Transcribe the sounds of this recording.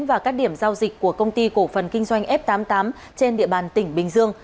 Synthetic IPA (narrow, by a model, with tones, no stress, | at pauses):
nvaː˨˩kaː˦˥k̚ɗi˧˩əmzaː˧wzï˨˩k̟̚kːu˧˩əkə˧wŋ͡mt̪i˧ko˧˩fə˨˩nkï˧ŋ̟zwa˧jŋ̟ʔɛ˦˥p̚t̪aː˨˦mt̪aː˨˦m | t͡ɕe˧nɗḭ˧əɓaː˨˩nt̪ï˧˩ŋ̟ɓï˨˩ŋ̟zɨ˧əŋ